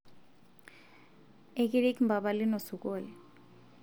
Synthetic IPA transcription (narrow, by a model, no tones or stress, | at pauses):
ekiɾikmbabalinɔsukʼoli